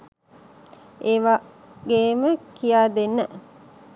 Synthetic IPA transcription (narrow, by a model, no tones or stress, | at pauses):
ʔeʋa | ɡeːməkijaːd̪enːə